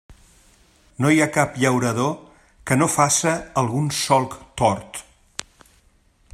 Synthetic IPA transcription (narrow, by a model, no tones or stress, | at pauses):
nojakapʎəwɾəðo | kənofasəːlˠɣunsɔlˠkt̪ɔɾt̪